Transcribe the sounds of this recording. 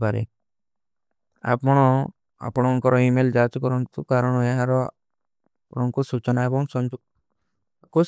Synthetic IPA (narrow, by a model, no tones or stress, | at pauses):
paɾḛ | a̰pɔɽ̃ɔ | a̰pɔɽ̃ɔŋkɔɾɔimeld͡ʒat͡ʃukɔɾɔnt̪ukaɾɔɽ̃ɔeɦãɾɔ | apɽ̃ɔŋkusut͡ʃɔnaebɔŋsɔnd͡ʒu | ku